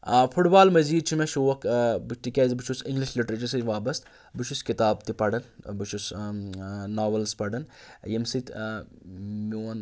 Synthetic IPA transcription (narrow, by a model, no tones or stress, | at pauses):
fʰuʈbaːlmɐziːd̪̚t͡ʃʰimɐʃuʋɐkbɨt͡ʃt̪ikʲɐzibut͡ʃʰusiŋɡliʃliʈɾɐt͡ʃɐɾsɐʋaːbɐst̪ | bɨt͡ʃʰuskit̪aːbt̪ipɐɽɐnbɨt͡ʃʰus | naːʋɐlspɐɖɐnjɐmsit̪ʲ | mʲoːn